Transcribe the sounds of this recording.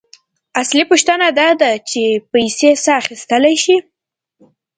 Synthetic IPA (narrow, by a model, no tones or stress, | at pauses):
aslipoʃt̪ənad̪ɑd̪at͡ʃepajsesaːxist̪əlajʃi